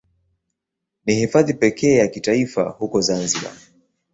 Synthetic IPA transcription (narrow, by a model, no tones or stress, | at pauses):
nihifaðipɛkʰɛːjakitaifa̰hukɔzanziɓa̰